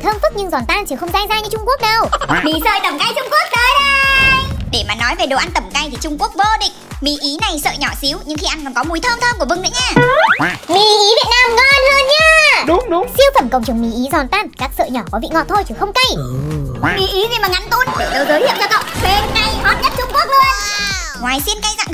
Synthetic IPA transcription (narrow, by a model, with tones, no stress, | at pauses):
t̪ʰəː˧mfɨ˦˥k̚ɲɨ˧ŋzɔ˨˩nt̪aː˧nt͡ɕi˧˨˩xə˧wŋ͡mt̪aː˧jzaː˧ɲɨ˧t͡ɕʊ˧ŋ͡mku˦˥ək̚ɗə˨˩wmi˧˩sə̰ː˧˨jt̪ə˧˩mka˧jt͡ɕʊ˧ŋ͡mku˦˥ək̚ɗ̪əː˧˦jɗə˧jɗe˧˩maː˨˩nɔ˨˦jve˨˩ɗo˨˩ʔa˧nt̪ə˧˩mka˧jt̪ʰi˨˩t͡ɕʊ˧ŋ͡mku˦˥ək̚vəː˧ɗḭ˧˨ŋ̟ | mḭ˧˩ʔi˨˦na˨˩jsə̰ː˧˨jɲɔ˧˩si˨˦wɲɨ˧ŋxi˧ʔa˧nkɔ˧˨˩nkɔ˨˦mu˨˦jt̪ʰəː˧mt̪ʰəː˧mku˧˩vɨ˧ŋɗɨ̰˧˦˥ɲaː˧˩ | mḭ˧˩ʔi˨˦vḭ˨˧˨ət̚naː˧mŋɔ˧nləː˧nɲaː˧ɗʊ˨˦ŋ͡mɗʊ˨˦ŋ͡msi˧əwfə˧˩mkə̰˧˩wŋ͡mt͡ɕɨ˨˩ŋmḭ˧˨˩ʔi˨˦zɔ˨˩nt̪aː˧nkaː˦˥k̚sə̰ː˧˨jɲɔ˧˩kɔ˨˦vḭ˧˨ŋɔ̰˧˨t̪ʰo˧jt͡ɕʰi˨˩xə˧wŋ͡mka˧j | mḭ˧˩ʔi˨˦ŋi˧maː˨˩ŋa˧˩nt̪o˧nɗe˨˩ɗə˨˦wzəː˨˦jhḭ˧˨əwt͡ɕɔ˧kə̰˧˨wŋ͡mɓe˧˩nŋa˧˩jhɔ˦˥t̚ɲə˦˥t̚t͡ɕʊ˧ŋ͡mku˦˥ək̚lu˧ən | ŋwaː˨˩jsi˧ənkaː˨˧jza̰˧˨